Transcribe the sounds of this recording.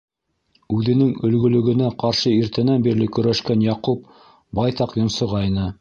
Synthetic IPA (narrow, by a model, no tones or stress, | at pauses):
ʉðɘ̆nɘŋɵ̆lɡɵ̆lɵ̆ɡɘ̆næqɑɾʃɤiɾt̪ɘ̆nænbiɾlɘkɵ̆ɾæʃkænjɑqup̚ | bɑjt̪ɑqjŏnsŏʁɑinɤ